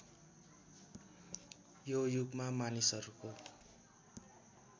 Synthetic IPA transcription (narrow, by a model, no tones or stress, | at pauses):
jojuɡmamanisʌɾuko